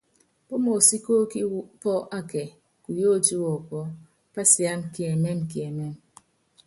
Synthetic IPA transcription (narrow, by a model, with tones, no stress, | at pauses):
po˦mo˨si˦ko˦ki˦pɔ˦ʔa˦ke˨ | ku˨jo˦tu˦wɔ˨kɔ˦ | pa˦si˨a˦n˨ki˨e˨me˦nki˨e˨me˦˨n